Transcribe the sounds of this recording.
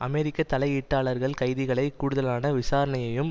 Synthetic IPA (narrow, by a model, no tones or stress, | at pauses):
ʔɐmeːɾɪkːɐt̪ːɐlɐɪɪʈːaːɭɐɾɣɐɭkɐɪðɪɣɐɭɐɪkːuːɽʊðɐlaːnɐʋɪsaːɾɐɳɐjɐjɯm